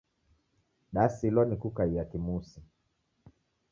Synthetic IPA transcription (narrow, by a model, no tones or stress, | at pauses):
ɗasilɔnikukaijakimusi